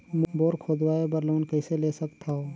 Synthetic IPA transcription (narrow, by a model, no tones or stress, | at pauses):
mboːɾkʰoːd̪waːebəɾloːnkəɪseleːsəkt̪ʰao